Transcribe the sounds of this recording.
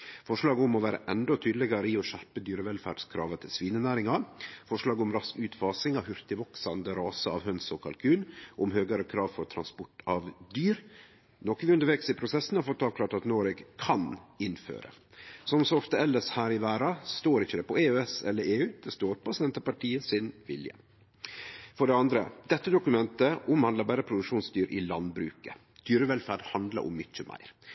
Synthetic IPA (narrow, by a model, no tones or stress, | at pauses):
fɔʂɭɑːɡʊmɔʋæːɾə̰ʔɛnd̪ɔt̪ʰyːd̪əlɛɡɑɾəɪɔɕæɾpəd̪yːɾəʋɛlfæ̰ːɖ̥skʰɾɑːʋət̪ʰɪlsʋiːnənæːɾɪŋɑfɔʂɭɑːɡʊmɾɑskʉːt̪fɑːsɪŋɑʋhʉɾt̪ɪbɔksɑnd̪əɾɑːsəɑ̰ʋhœnsɔkʰɑ̰lkʰʉːnʔʊmhøːɡɑɾəkʰɾɑːʋfɔɾt̪ʰɾɑnspɔʈːɑʋd̪yːɾ | nɔkːʋɪʉnd̪əɾʋɛksɪpʰɾʊsɛsːn̩hɑɾfɔt̪ʰːɑːʋkʰlɑːʈɑt̪noːɾɛɡkʰɑnɪnfø̰ːɾə̰ | sɔmsɔɔft̪əɛlːəshæːɾɪʋæːɾɑst̪oːɾɪçːəd̪ɛpɔeːøːɛsɛ̰lːəɾeːʉːd̪̥ɛst̪oːɾpɔsɛnt̪əpɑʈʰiːəsɪnʋɪ̰ljə̰ | fɔɖɛɑnd̪ɾə̰d̪ɛt̪ːəd̪ʊkʉmɛnt̪əʊmhɑnd̪lɑbæːɾəpʰɾʊd̪ʉkʂuːnsd̪yːɾʔɪ̰lɑnbɾʉ̰ːkə | d̪̥yːɾəʋɛlfæɖhɑnd̪lə̰ɾʊ̰mːʏçəmʔæ̰ɪɾ